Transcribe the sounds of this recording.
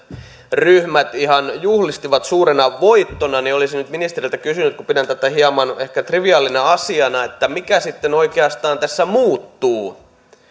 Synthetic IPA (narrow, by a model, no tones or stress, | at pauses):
ryhmæt̪ihɑnjuhlist̪iʋɑt̪suːrenɑʋʋoit̪ːonɑniolisinyt̪minist̪erilt̪ækysynyt̪kupidænt̪æt̪ɑhiɑmɑnehkæt̪riʋiɑːlːinɑɑsiɑnɑet̪ːæmikæsit̪ːenoikeɑst̪ɑːnt̪æsːæmuːt̪ːuː